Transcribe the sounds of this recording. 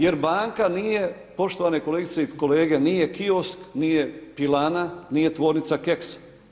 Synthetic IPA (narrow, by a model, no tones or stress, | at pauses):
je̞ɾbaːŋkaniːje̞ | po̞ʃt̪o̞ʋaːneko̞leɡit̪seiko̞leːɡeniːje̞kiosknijepilananiːje̞t̪ʋo̞ːɾnit̪sakeks